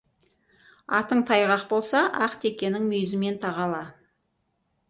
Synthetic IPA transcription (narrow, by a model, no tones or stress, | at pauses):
ɑt̪əɴt̪ʰɑjʁɑqbo̞lˠsɑʔɑqt̪e̞kʲe̞nɪŋmɵjzɪme̞nt̪ʰɑʁɑlˠɑ